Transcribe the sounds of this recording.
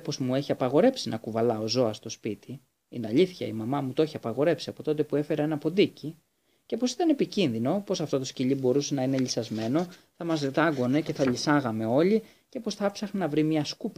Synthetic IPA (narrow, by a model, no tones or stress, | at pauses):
po̞zmue̞çiɐpɐɣo̞ɾe̞psinʔɐkuvɐlɐo̞zo̞ɐst̪o̞spit̪i | inɐʎiθçɐ̰imɐmɐmut̪ooçiɐpɐɣo̞ɾe̞psiɐpo̞t̪o̞t̪epue̞fe̞ɾɐe̞nɐpo̞d̪ici | ce̞po̞si̥t̪ɐnepicinðino̞po̞sɐft̪o̞t̪o̞sciʎibo̞ɾuse̞nɐinelʎisɐzme̞no̞θɐmɐzðet̪ɐɡo̞ne̞ce̞θɐʎisɐɣɐme̞o̞ʎi | ce̞po̞sθɐpsɐxnenɐvɾimɲɐskup